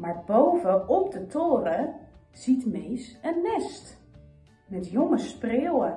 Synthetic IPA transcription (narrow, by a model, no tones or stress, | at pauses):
maɹbowvəɔp̚dətʰoːrəz̥itmejsənːɛst | mɛtjoŋəsprɪːwə